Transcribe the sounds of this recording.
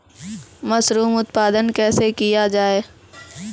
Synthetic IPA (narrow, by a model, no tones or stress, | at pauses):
mɐsɾuːmʊt̪paːd̪ənkɛːsekijad͡ʒaːeː